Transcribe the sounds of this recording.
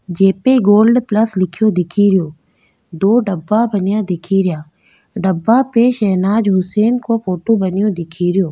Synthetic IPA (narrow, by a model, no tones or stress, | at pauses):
d͡ʒeːpeɡoːlɖplɐslɪkʰijod̪ɪkʰiɾɪjoː | d̪oːɖəbːabɐnijad̪ɪkʰiɾɪjaː | ɖɐbːapeʃɐːnaːd͡ʒɦʊseːnkofoːʈobɐnɪjõd̪ɪkʰiɾɪjoː